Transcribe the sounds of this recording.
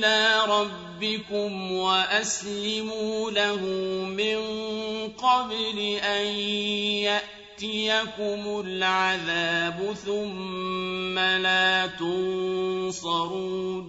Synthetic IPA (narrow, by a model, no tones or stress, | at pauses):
laːɾˤɑbːɪkʊmwaʔaslɪmuːlahʊmɪnqɑblɪʔanjaʔ | t̪ɪjakʊmʊlʕaðaːbʊθʊmː | alaːt̪ʊnsɑɾuːn